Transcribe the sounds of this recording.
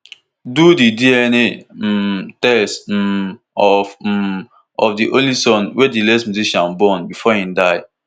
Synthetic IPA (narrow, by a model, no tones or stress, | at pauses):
dudidiɛne | tɛs | ɔf | ɔfdiʔõnlisɔ̃nwɛdilɛsmjuziʃãnbɔnbifɔĩmdaɪ